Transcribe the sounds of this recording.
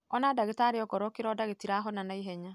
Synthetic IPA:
ɔnadaɣetaɾeɔɡɔɾɔkeɾɔdaɣetiɾaɦɔnanaiɦɛɲa

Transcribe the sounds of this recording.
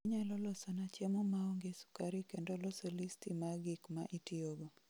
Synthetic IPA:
iɲalɔlɔsɔnat͡ʃamomaoŋɡesu̥kaɾikendolɔsolistimaɡɪkma̰ʔitioɡo

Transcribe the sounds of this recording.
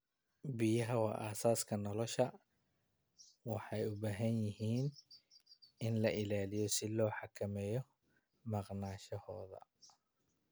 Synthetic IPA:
bɪjɐɦɐwɑ̰ːʔaːsaːskʰɐnɔlɔʃɐ | wɑħɑjʊbaːɦɐnjɪɦiːn | ɪnlɐʔɪlaːlɪjɔsɪlɔːħɑkʰɐmɛːjɔ | mɑqnaːʃɐhɔːðɐ̰

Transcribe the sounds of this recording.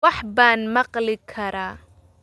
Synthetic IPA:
ɑħbaːnmɑqlɪkʰɐɾaː

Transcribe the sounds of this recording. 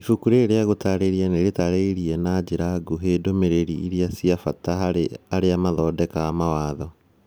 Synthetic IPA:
ifukuɾeːɾeaɣotaɾeɾianeɾetaɾeiɾiɛnad͡ʑeɾaɡoɦedomeɾeɾiiɾiasiafataaɾeamaðɔːdɛkaːmawaːðɔ

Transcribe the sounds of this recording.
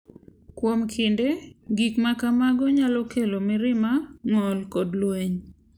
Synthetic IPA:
kwomkʰɪndeɡikmakamaɡɔɲalɔkelomɪɾɪmaŋɔlkɔdlweɲ

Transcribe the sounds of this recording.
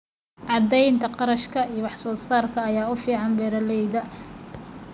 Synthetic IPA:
ʕɑd̪ɛjnt̪ʰɐqɑɾɐʃkʰɐijwɑħsɔːsaːrkʰɐːjaːʊfiːʕɑnbɛːɾɐlɛjðɐ

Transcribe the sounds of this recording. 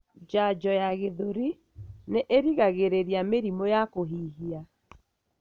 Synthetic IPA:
d͡ʒad͡ʒɔjaɣeðoɾi | neʔeɾiɣaɣeɾeɾiameɾimojakoɦiːɦia

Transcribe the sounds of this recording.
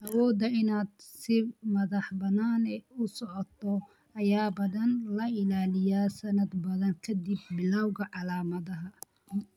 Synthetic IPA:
ʔɐwɔːd̪ɐɪnaːd̪sɪmɐðɑħbɐnaːnɛʊsɔʕɔt̪ʰɔ | ɐjaːbɐðɐnlɐɪlaːlɪjaːsɐnɐd̪bɐðɐŋkʰɐd̪ibːɪlawɣɐʕɑlaːmɐðɐɦɐ

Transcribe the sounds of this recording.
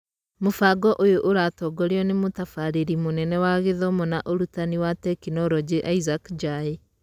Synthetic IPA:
mofaɡɔʔojoʔoɾatɔɡɔɾeɔnemotafaɾeɾimonɛnɛwaɣeðɔmɔnaʔoɾutaniwatɛkinɔɾɔd͡ʒeʔaizakd͡ʒae

